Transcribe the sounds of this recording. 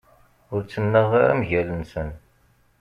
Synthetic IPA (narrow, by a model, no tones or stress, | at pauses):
ʊɾt͡sːənːəʁɾæ̰mʝælənsən